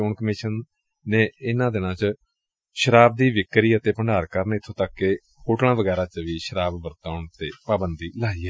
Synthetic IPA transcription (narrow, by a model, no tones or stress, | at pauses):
ʊːɳkəmɪʃənː | ẽːɪnãːd̪ɪnãːt͡ʃə | ʃəɾaːb̚d̪iːʋɪkɾiːət̪eːpəɳɖaːɾkəɾnɪt̪ʰːõːt̪əkːeː | hoːʈnãːʋəɡɛːɾaːt͡ʃʋiːʃəɾaːbʋəɾt̪aːʊɳt̪eːpaːbənd̪iːlaːiːɛː